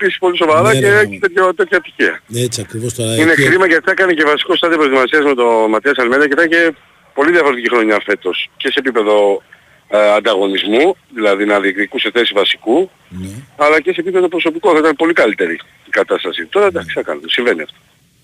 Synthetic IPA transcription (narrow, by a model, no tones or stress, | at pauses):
episi̥spo̞liso̞vɐɾɐceet̪et̪çɐt̪et̪çɐt̪i̥çiɐekɾivost̪inekɾimɐʝɐit̪ɐkɐnece̞vɐsi̥ko̞st̪ɐðd̪ijp̬ɾot̪imɐsiɐzme̞t̪o̞mɐt̪iɐsɐlmeɾɐceiθɐnce̞ | po̞liðʝɐfoɾet̪icixɾoɲɐfe̞t̪o̞sce̞se̞ːpipe̞ðo̞ | ɐnd̪ɐɣo̞nizmuðilɐðinɐðiekt̪ikuseθe̞sizvɐsi̥ku | ɐlɐce̞se̞pipe̞ðo̞pɾo̞so̞pikoθɐit̪ɐnpo̞likɐlit̪e̞ɾi | ikɐt̪ɐst̪ɐsit̪o̞ɾɐd̪ɐksɐkɐ̰nut̪siɱve̞niɐ̰ft̪o̥